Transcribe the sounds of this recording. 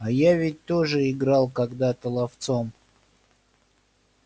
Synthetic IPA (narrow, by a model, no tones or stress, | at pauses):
ajavʲɪt̚ʲt̪oʐɨɪɡɾalˠkɐɡd̪at̪əlˠɐft̪som